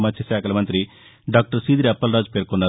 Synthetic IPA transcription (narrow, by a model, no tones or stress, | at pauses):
mɐt̪ʰːjɐʃaːkʰɐlɐmɐnt̪ɾi | ɖaːk̚ʈɐɾsiːd̪ɾɐpːɐlɾaːd͡ʒpeːɾkonːaː